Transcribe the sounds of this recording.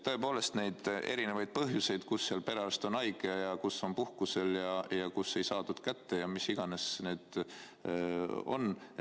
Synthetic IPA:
t̪ɤ̞e̞po̞ːle̞st̪ne̞jd̪̥e̞̰ɾine̞vɑjd̪̚pɤɦjuse̞jd̪̥kusːeɑlpe̞ɾɑst̪o̞nɑjɡ̥ejɑkusːo̞npuhkuse̞ljɑjɑkusːe̞jsɑːd̪ud̪̥kæt̪ːe̞jɑmisiɡ̥ɑne̞snyːd̪̥ | o̞̰n

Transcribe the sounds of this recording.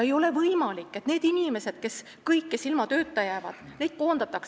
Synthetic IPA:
e̞jo̞le̞vɤjmɑlikːˑe̞t̪ne̞ːd̪inʲime̞se̞d̪̥ke̞s | kɤjkːesilmɑt̪ø̞ːt̪ːˑɑjæːvɑd̪̥nejd̪̥̚ko̞ːnd̪ɑt̪ːˑɑks

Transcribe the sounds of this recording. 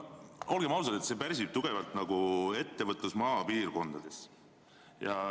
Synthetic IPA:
o̞lɡ̥e̞mɑwsɑd̪et̪sepærʲsʲib̥t̪uɡ̥e̞vɑlt̪ˑnɑɡ̥ue̞t̪ːe̞vɤt̪ˑlusmɑːpiːrko̞nd̪̥ɑd̪̥e̞s | jɑ

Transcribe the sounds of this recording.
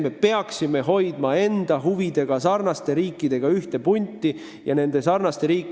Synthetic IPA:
me̞pe̞ɑksime̞ɦo̞jd̪̥mɑe̞nd̪̥ɑɦuvid̪e̞ɡ̥ɑsɑrnɑst̪e̞ɾiːkːˑid̪̥e̞ɡ̥ɑyht̪e̞punʲt̪ːˑi | jɑne̞nd̪̥e̞sɑrnɑst̪e̞ɾiːkː

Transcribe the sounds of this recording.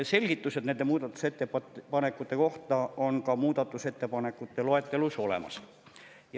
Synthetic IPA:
se̞lʲɡ̥it̪ːˑuse̞d̪ne̞nd̪e̞muːd̪̥ɑt̪ːˑu̥se̞t̪ːeppɑne̞kːˑut̪ːˑe̞ko̞ht̪ɑo̞nkɑmuːd̪̥ɑt̪ːˑuse̞t̪ːe̞pɑne̞kːˑut̪ːe̞loe̞t̪ːˑe̞luso̞le̞̰mɑ̰s | j

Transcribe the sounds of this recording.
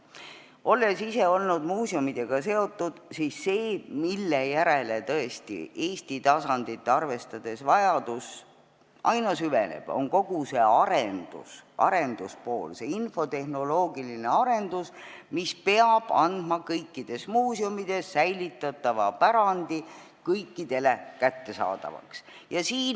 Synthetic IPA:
o̞lːe̞sise̞o̞lnud̪muːsiomid̪̥e̞ɡ̥ɑse̞o̞t̪ːˑud̪̥sisːe̞ːmilːejæɾe̞let̪ɤe̞st̪ḭʔeːsʲt̪it̪ɑsɑnd̪̥it̪ːˑeɑrve̞st̪ɑd̪̥e̞svɑjɑd̪̥us | ʔɑjnɑsyve̞̰nḛb̥o̞̰ŋko̞ɡ̥use̞ɑɾend̪̥ṵsʔɑ̰ɾe̞nd̪̥uspo̞̰ːlse̞info̞t̪e̞hno̞lo̞ːɡiline̞ɑɾe̞nd̪̥usmispe̞ɑb̥ɑnd̪̥mɑkɤjkːid̪̥e̞smuːsjumid̪̥e̞sːæjlit̪ːˑɑt̪ˑːɑvɑpæɾɑnd̪̥i | kɤjkːid̪̥e̞le̞kæt̪ːe̞sɑ̰ːd̪̥ɑ̰vɑ̰ksjɑsiːn

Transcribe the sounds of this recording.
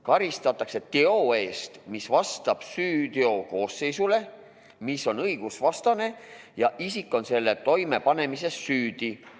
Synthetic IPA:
kɑɾist̪ɑt̪ːˑɑkse̞t̪e̞o̞e̞ːst̪misvɑst̪ɑb̥syːt̪eo̞ko̞ːsːe̞jsule̞ | misːo̞nɤjɡ̥usvɑst̪ɑne̞ | jɑʔisikːˑo̞nse̞lːe̞t̪o̞jme̞pɑne̞mise̞ssyːd̪̥i

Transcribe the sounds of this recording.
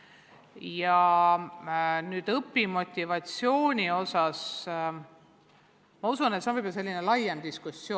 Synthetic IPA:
jɑ | nyːd̪̥ɤpːimo̞t̪ʲːivɑt̪sjo̞ːnʲio̞sɑs | mɑusunet̪senvɤjb̥olse̞lːinelɑjemd̪̥iskusːjoː

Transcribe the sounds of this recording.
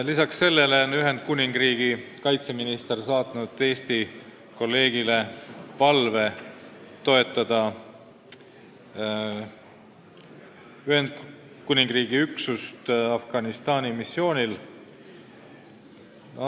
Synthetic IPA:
lisɑksːe̞lːe̞leonyɦe̞nd̪̥̚kunʲiŋɡ̥riːɡ̥ikɑjt̪se̞minist̪ersɑːt̪nud̪e̞ːst̪i | ko̞lːe̞ːɡ̥ile̞pɑlve̞ | t̪o̞e̞t̪ːˑɑd̪̥ɑ | yɦe̞nd̪̥̚ | kunʲiŋɡ̥riːɡ̥iyksust̪ɑfɡ̥ɑnist̪ɑːnimisːio̞ːnʲil

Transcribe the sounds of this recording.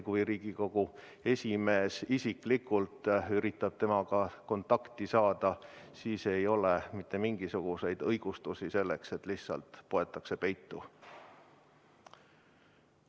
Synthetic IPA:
kujɾiːɡ̥iko̞ɡ̥u | e̞sʲime̞ːsisikˑlikːˑult̪ˑyɾit̪ːˑɑb̥̚t̪e̞mɑɡ̥ɑko̞nt̪ːˑɑkt̪isɑːd̪̥ɑsiːse̞jo̞lemit̪ːˑe̞miŋɡ̥isuɡ̥use̞jd̪̥ɤjɡ̥ust̪usise̞lːe̞kse̞t̪ːˑlihssɑ̰lt̪ːˑpo̞e̞t̪ːˑɑkse̞pe̞jt̪ːu

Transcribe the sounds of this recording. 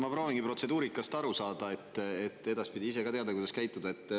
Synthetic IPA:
mɑpɾo̞ːviŋɡ̥ipro̞t̪se̞d̪uːɾikːˑɑst̪ɑɾusɑːd̪ɑe̞t̪ːet̪ːe̞d̪̥ɑspid̪ʲiise̞kɑt̪e̞ɑd̪ɑkujd̪ɑskæjt̪ːud̪̥ɑe̞t̪ːˑ

